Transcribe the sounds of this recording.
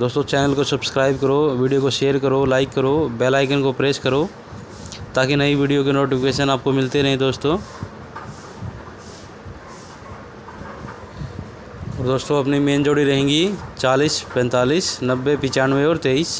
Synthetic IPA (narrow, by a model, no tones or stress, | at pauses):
d̪oːst̪õt͡ʃɛːnəlkosɐbskɾaːɪbkɐɾoʋiːɖijokoʃeːəɾkɐɾolaːɪkːəɾoːbɛːlaːɪkənkopɾeːskɐɾo | t̪aːkinɐiʋiːɖijokenoːʈɪpʰɪkeːʃənaːp̚komɪlt̪eɾɐɦẽd̪oːst̪õː | ɔːɾd̪oːst̪oɐpnimeːnd͡ʒoːɽiɾɐɦẽːŋɡit͡ʃaːliːspɛ̃ːnt̪aːliːsnɐbːepɪt͡ʃaːnʋeɔːɾt̪eːiːs